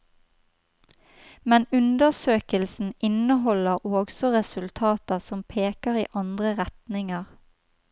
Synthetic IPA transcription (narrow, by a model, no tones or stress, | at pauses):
mɛnʉnd̪əsøːkəlsn̩ɪnəɦɔləʁoːɡsɔʁɛsʉlt̪ʰɑːt̪əsɔmpʰeːkəʁḭːʔɑnd̪ʁəʁɛt̪nɪŋəʁ